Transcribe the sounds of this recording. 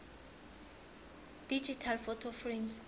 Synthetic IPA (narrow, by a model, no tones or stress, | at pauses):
d̥id͡ʒitʰalfɔtʰofrems